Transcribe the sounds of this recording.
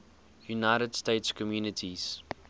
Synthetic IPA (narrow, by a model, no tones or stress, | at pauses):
junaɪɾədsteɪtskʰɔmjuːnətʰiz̥